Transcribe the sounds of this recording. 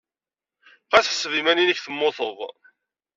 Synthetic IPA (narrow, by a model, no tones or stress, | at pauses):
qæθsːvimæninəçθəmːoθəðˤ